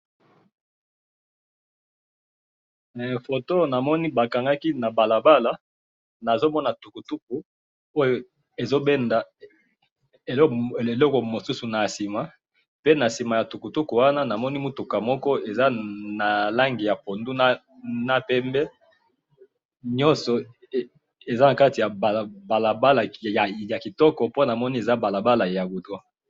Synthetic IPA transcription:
fo˨to˦na˨mɔ˦ni˦ba˨ka˨ŋɡa˦ki˦na˨ba˨la˨ba˦la˦ | na˨zo˦mɔ˦na˨tu˨ku˨tu˦k̚u˨ | o˦jo˨ | e˨zo˦be˦nda˨ | e˨le˨lɔ˦ko˨mo˨su˦su˨na˨a˨si˨ma˨ | pe˦na˨si˨ma˨ja˨tu˨ku˨tu˦ku˨wa˦na˦na˨mɔ˦ni˦mu˦tu˨ka˨mɔ˦kɔ˦e˨za˦na˨la˦ŋɡi˨ja˨po˨ndu˦na˦ | na˦pɛ˦mbɛ˦ | ɲɔ̃˦nsɔ˨ | e˨za˦na˨ka˦ti˨ja˨ba˨ba˨la˨ba˦la˨ja˨ki˨tɔ˦kɔ˨po˦na˨mɔ˦ni˦e˨za˦ba˨la˨ba˦la˨ja˨ɡu˨twa˦

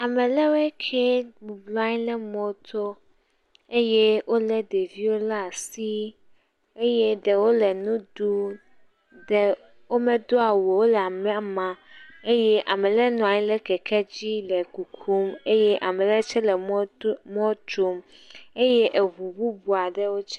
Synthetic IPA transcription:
a˨mɛ̃˨lɛ˦wɛ˦kʰe˦mũ˨blɔ˦a˦ɲ˦lɛ˦mɔ̃˦t̪ʰo˦ | e˦jɛ˦wo˦lɛ˦d̪e˨vi˦wo˦la˦˨si˦ | e˦je˦ɖɛ˨wo˦lɛ˨nũ˦d̪u˦ | dɛ˨ | wo˦mɛ̃˦d̪o˦a˨wo˨wo˦lɛ˨a˨mɛ̃˦a˨mã˨e˦jɛ˦ʔa˨mɛ̃˨lɛ˦nɔ̃˨a˨ɲĩ˦lɛ˦kɛ˨kʰɛ˦d͡ʑi˦lɛ˨ku˨kʰu˦me˦jɛ˦ʔa˨mɛ̃˨lɛ˦t͡ʃɛ˦lɛ˨m˦mɔ̃˦t͡ʃo˦m | e˦jɛ˦ʔe˨βu˨bu˦bu˨a˨ɖɛ˦wo˦t͡ʃɛ˦

